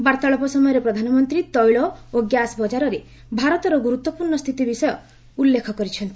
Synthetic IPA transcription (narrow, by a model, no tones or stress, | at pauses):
baɾt̪aɭɔpɔsɔmɔjɔɾepɾɔd̪ʱanɔmɔnt̪ɾit̪ɔjɭɔoɡjasbɔd͡ʒaɾɔɾe | bʱaɾɔt̪ɔɾɔɡuɾut̪wɔpuɾɳɔst̪ʰit̪ibisɔjɔ | ulːekʰɔkɔɾit͡ʃʰɔnt̪i